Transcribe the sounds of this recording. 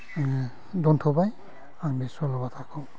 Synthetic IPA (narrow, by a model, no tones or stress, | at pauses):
dɔntʰɔbaj | aŋbisɔlɔbatʰakʰɔ